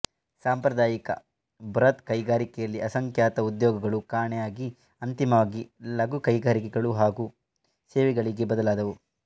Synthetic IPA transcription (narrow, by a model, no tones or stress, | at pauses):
saːmpɾɐd̪aːjikɐ̰ | bɾɐt̪kɐjɡaːɾikɛjɐlːiɐsɐŋkʰjaːt̪ɐud̪jɔːɡɐɡɐɭukaːɾɳɛjaːɡi | ɐnt̪imɐʋaːɡilɐɡukɐjɡaːɾikɛɡɐɭuɦaːɡu | seːʋɛɡɐɭiɡe̞bɐd̪ɐlaːd̪ɐʋu